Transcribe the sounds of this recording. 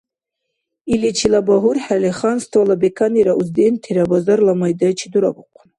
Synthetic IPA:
ilit͡ʃʰilabaɦurħaleχanst̪ʰwalabekʰaniɾaʔuzd̪ent̪ʰiɾabazaɾlamajd̪at͡ʃʰid̪uɾa̰buqʷʰn

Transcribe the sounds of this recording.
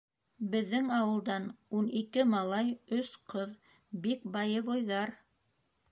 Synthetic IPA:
bɘ̆ðːɘŋɑwɤ̆lˠd̪ɑnunikɘmɑlˠɑjɵsqɤð | bik̚bɑjɤβojðɑɾ

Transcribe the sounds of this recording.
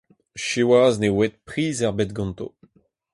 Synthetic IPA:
ʃewaznewɛt̪̚pχiːzɛʁbɛt̪̚ɡɑ̃nt̪o̰

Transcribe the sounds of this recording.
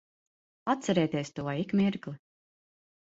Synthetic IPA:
at̪t̪sɛɾɛːt̪iɛst̪uɔikmʲiɾklˠi

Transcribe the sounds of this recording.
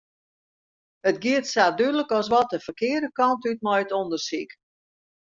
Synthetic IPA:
ətɡiətsaːdydələkɔs̬ʋɔt̚əfəkɪədəkɔntyt̚mɔjətondərsik

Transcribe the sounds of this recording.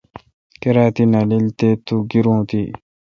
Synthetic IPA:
keɾaːt̪inalilt̪et̪uɡiɾũːt̪i

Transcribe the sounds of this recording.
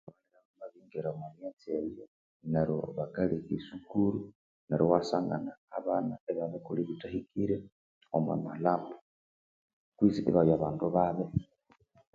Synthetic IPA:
aleɾamumaβiːŋɡeɾamanjat͡sieβijo | naɾoβaɡalikisukuɾu | naɾʔowasaːŋɡa̰na̰ːβaːnaeβaβekuliβitahikʰiɾe | oma̰malaːmba | kwisiʔḛβajaβaːnduβaβe

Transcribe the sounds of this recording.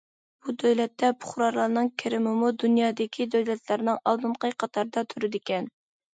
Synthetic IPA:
b̥ud̪øwlɛt̪ːɛpʰʊ̥χɾɑɾlˠɑɾnɨŋkʲʰɪɾɪmɪmud̪unjɑːd̪ɪkʲʰid̪øwlɛt̪ʰlæɾnɨŋɑlˠd̪ɨɴqəjqʰɑt̪ʰɑɾd̪ɑt̪ʰyɾɪd̪ɪkʲɛn

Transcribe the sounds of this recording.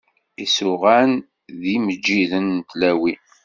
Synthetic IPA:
isʊʁæn | ðiməd͡ʒːiðənt̪læwi

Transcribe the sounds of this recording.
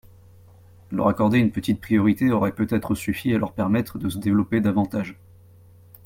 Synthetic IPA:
lœ̰ʁakɔʁd̪eynpət̪it̪̚pχijɔʁit̪eɔʁɛpøt̪ɛt̪χəsyfialʔœ̰ʁpɛʁmɛt̪χəd̪əsəd̪evlɔped̪avɑ̃t̪aʒ

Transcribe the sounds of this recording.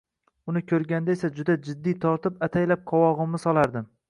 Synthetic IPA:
ʊnɪkʲʰɵɾɡʲand̪aesad͡ʒʊd̪ad͡ʒɪd̪ːijt̪ʰɒɾt̪ɪpat̪ʰajlap̚qʰɒwɒʁɨmnɪsɒlˠaɾd̪ɪm

